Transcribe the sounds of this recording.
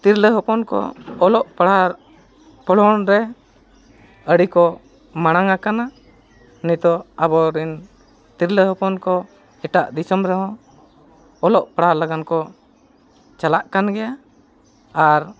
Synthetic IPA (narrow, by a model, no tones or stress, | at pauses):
t̪iɾləɦɔpɔnkɔ̰ɔlɔʔpaɽaɾ | pɔɽɔnɾɛ | əɽikɔ | maɽ̃aŋakana | nit̪ɔabɔɾin | t̪iɾləɦɔpɔnkɔ | ɛʈaʔd̪isɔmɾɛɦɔ̃ | lɔʔpaɽalaɡankɔ | t͡ʃalaʔkanɡɛja | aɾ